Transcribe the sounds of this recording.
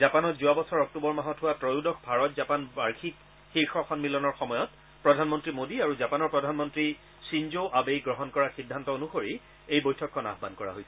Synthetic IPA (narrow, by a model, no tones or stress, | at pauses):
zapanɔtzuabɔsɔɹɔk̚tubɔɹmaɦɔtʰʊwatɹojudɔxʰbʱaɹɔtzapanbaɹkʰik | xiɹxɔxɔnmilɔnɔɹxɔmɔjɔt | pɹɔdʱanmɔntɹimodiaɹuzapanɔɹpɹɔdʱanmɔntɹi | sinzoʔabejɡɹɔɦɔnkɔɹaxidʱːantɔonuxoɹi | ejbojtʰɔkʰːɔna̰ɦɔbankɔɹa̰ɦojsɛ